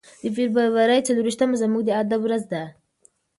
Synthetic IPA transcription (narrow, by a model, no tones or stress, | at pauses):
d̪əfiɾbaɾwaɾajt͡saluɾiʃt̪amazamuɡd̪əad̪awɾazd̪a